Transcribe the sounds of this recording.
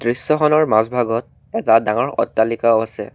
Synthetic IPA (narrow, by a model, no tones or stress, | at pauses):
dɹisːɔxɔnɔɹmasbʱaɡɔt̚ | ɛtadaŋɔɹɔ̰tːalikaʊasɛ̰